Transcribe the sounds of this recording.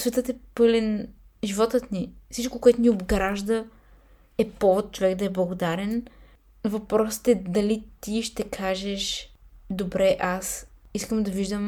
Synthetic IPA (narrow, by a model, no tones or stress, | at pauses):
svɛt̪ət̪ɛpɤlɛn | ʒivɔt̪ət̪nifsit͡ʃkokoɛt̪ʊnʲiobɡɾaʒd̪ə | ɛpɔvot̪̚t͡ʃovɛkd̪ɐɛblˠɐɡod̪aɾɛn | vɐpɾɔsə̥t̪ɛd̪ɐlit̪iʃt̪ɛkʰaʒɛʃd̪obɾɛʔasiskəmd̪ɐviʒd̪əm